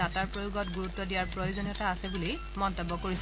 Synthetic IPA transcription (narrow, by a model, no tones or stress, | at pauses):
ataɹpɹojuɡɔtɡuɹutːɔdijaɹpɹɔjozonijɔtaːsɛbuli | mɔntɔbːɔkoɹis